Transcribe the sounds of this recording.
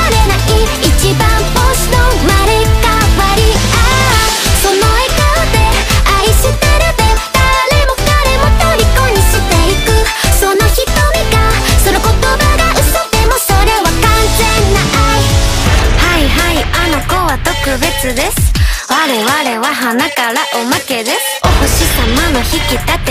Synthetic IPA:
aɾenaʔi | it͡ɕibãmpost̪omaɾekawaɾia | sonoekod̪e̞aiɕit̪eɾɯbet̪alemokaɾemot̪oɾʲikoɲ̟iɕit̪eikɯ | sonoçit̪omiɡasonokot̪obaɡaʔɯsɨt̪e̞mosoɾe̞wakãnsenːaʔai | haiɦaianokowat̪okɯ̟be̞t͡sɨd̪e̞sɨ̥waɾe̞waɾewaɦanakaɾaʔomake̞d̪e̞s | ohoɕisamanoçikit̪at̪e

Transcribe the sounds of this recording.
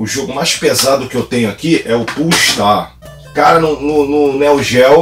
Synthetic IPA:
ʊʒoɡʊmajʃpezad̪ʊkɪewt̪ẽɲʊakiɛʊpuiʃt̪a | kaɾɐnʊnʊnʊnɛwʒɛw

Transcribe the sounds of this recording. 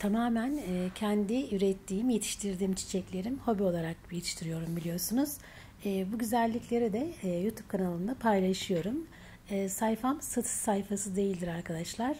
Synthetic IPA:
t̪ʰamaːmænɛːcʰɛnd̪iyɾɛt̪ʰːiːimje̞t̪ʰi̥ʃt̪ʰiɾd̪iːmt͡ʃʰi̥t͡ʃʰɛclʲe̞ɾimho̞bio̞lˠaɾak̚jet̪ʰi̥ʃt̪ʰiɾijo̞ɾumbilʲijo̞ɾsunuz̥ | ɛːbuɟyzælʲːiclʲe̞ɾid̪ɛjut̪ʰup̚kʰanalˠɯnd̪apʰajlˠaʃɯjo̞ɾum | ɛːsajfamsat̪ʰɯ̥sajfasɯd̪e̞jilʲd̪iɾaɾkʰad̪aʃlˠaɾ̥

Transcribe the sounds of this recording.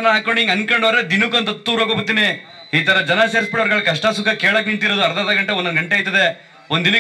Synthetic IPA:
nɐaːkoɳiŋɡɐnkɐɳɖʋɐːɾed̪inukɐnt̪ɐt̪ːuːɾokobut̪ːine | iːt̪ɐɾɐd͡ʒɐnɐseɾspiɽɐʋɐɾɡɐɭkɐʂʈɐsukːɐkeːɭɐk̬ːniɳt̪iɾod̪uɐɾd̪ɐːd̪ɐɡɐɳʈewɔnɐnɡɐɳʈeɐːjt̪ːɐd̪e | onin

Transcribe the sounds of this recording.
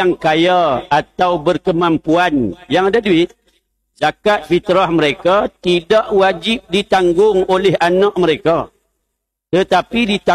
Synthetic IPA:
aŋkajaat̪awbərkəmãmpuanjaŋadaduɪt̪̚ | t͡ʃakat̪̚fit̪ɾahməɾekat̪idaʔwad͡ʒɪp̚dit̪aŋɡʊŋolɛɦanãʔmə̃ɾeka | t̪ət̪apidit̪a

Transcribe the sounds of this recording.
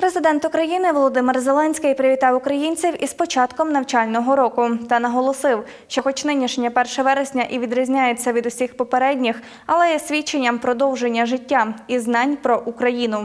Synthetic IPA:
pɾezɪd̪ɛnt̪ʊkɾɐjinɪʋɔlˠɔd̪ɪmɪrzelˠɛnʲsʲkɪjpɾɪʋʲit̪ɑwʊkɾɐjinʲt͡sʲiwʔispɔt͡ʃɑt̪kɔmnɐwt͡ʃɑlʲnɔɦɔɾɔkʊt̪ɐnɐɦɔlˠɔsɪw | ʃt͡ʃɔxɔt͡ʃnɪnʲiʃnʲɐpɛrʃɐʋɛɾesʲnʲɐʔiʋʲid̪ɾɐzʲnʲajet͡sʲːɐʋʲid̪ʊsʲixpɔpeɾɛdʲnʲix | ɐlˠɛjɛsʲʋʲit͡ʃːenʲːɐmpɾɔd̪ɔwʒenʲːɐʒɪtʲːaiznɑnʲpɾɔʔukɾɐjin̪ʊ

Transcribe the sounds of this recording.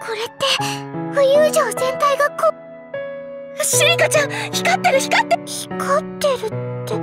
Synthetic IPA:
kʰo̞ɾe̞t̪ːe̞ɸɯ̟jɯːʑoːsẽ̞nt̪aiɡako | aɕiɾʲikat͡ɕãŋçi̥kat̪ːeɾɯ̟çi̥kat̪ːeçi̥kʰot̪ːe̞ɾɯ̟t̪ːe

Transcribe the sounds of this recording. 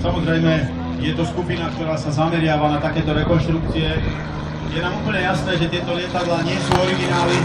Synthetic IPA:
samɔzɾɛjmɛ | jɛt̪ɔskupinak̚t̪ɔɾaːsazamɛɾɪaʋanat̪akɛːt̪ɔɾɛkɔnʃt̪ɾuk̚t͡siɛ | jɛnaːmupəɲɛjasnɛːʒɛt̪ɪɛt̪ɔlɪɛt̪ad̪laːɲɪɛsuːɔɾilialɛ

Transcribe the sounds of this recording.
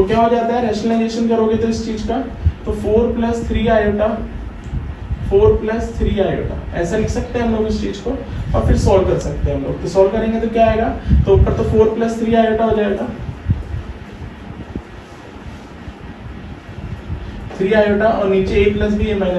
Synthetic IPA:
t̪okjaːɦoːd͡ʒaːt̪aɦɛɾɛːʃnəlaɪd͡ʒeːʃənkɐɾoːɡet̪oɪst͡ʃiːd͡ʒka | t̪ofoːɾplɐst̪ʰɾiːaːjoːʈa | foːɾplɐst̪ʰɾiːaːjo̰ːʈa̰ɛːsalɪkʰsɐk̚t̪eɦɛ̃ɦɐmloːɡɪst͡ʃiːd͡ʒkoɔ̰ːɾfɪɾsɔːlkɐɾsɐk̚t̪eɦɛ̃ɦɐmlo̰ːɡ̚t̪osɔːlkɐɾẽːŋɡet̪okjaːeːɡaːt̪opɐɾt̪ofoːɾplɐst̪ʰɾiːaːjoːʈaɦoːd͡ʒaːet̪aː | t̪ʰɾiːaːjoːʈaʔɔːɾniːt͡ʃeeːkplɐsbʱijemɛ̃ːn

